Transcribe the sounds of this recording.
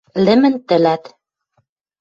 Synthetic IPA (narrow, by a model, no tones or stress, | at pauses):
lɘ̆mɘ̆nt̪ɘ̆læt̪